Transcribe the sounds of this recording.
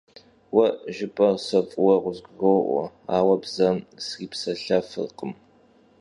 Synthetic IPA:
wɐʔʒɪpʼɐrsɐfʼʊwɐʁʷʊzɡrowʔʷɔ̰aːwɐbzɐmsriːpsɐɬɐfɨ̰rqəm

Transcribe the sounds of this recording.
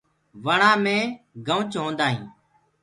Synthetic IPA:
ʋəɳãːmẽː | ɡəʋt͡ʃɦõːnd̪aːɦḭ̃ː

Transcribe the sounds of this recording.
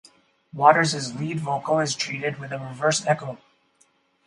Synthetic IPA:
wɔɾə˞zɨzlidvoʊkoʊɪz̥tʰɹ̥iɾɪd̚wɨðəɹɪvɜ˞sɛkoʊ

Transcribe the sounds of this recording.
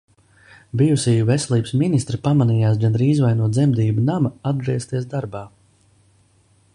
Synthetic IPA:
bijusijuvɛsʲɛlˠiːbsminist̪ɾipamanijaːsɡanɾiːzvajnuɔd̪zɛmd̪iːbunamaad̪̚d̪ɾiɛst̪iɛsd̪aɾbaː

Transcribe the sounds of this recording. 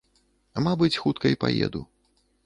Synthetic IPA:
mabɨt͡sʲxut̪̚kɐipajɛ̰d̪ṵ

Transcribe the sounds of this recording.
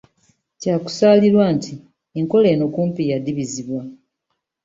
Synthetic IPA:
caːku̥saːliɾwaːnti | eŋko̞le̞ːno̞kuːmpijadiβiziβwa

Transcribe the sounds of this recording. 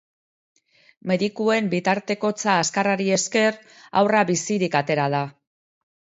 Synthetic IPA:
me̞ðikue̞mbit̪aɾt̪e̞ko̞t͡saːskaraɾie̞ske̞r | a̰wraβisiɾikat̪e̞ɾaða

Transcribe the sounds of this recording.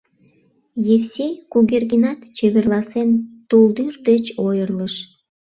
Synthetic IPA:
jewsʲekuɣerɡinɑt̪t͡ɕeβerlɑsent̪uld̪yrd̪et͡ɕojərləʃ

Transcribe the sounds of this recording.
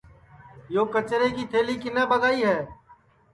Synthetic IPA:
joːkət͡ʃɾeːkiːt̪ʰeːliːkɪnãːbəɡaːiːɦɛː

